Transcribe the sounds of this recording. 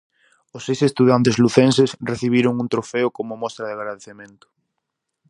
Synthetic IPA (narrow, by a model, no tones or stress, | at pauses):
ʊsejsest̪uðant̪̬ezluθensesreθiβ̞iɾʊŋunt̪ɾofeʊkomʊmɔst̪ɾaðeɪaɣɾaðeθemẽnt̪ʊ̥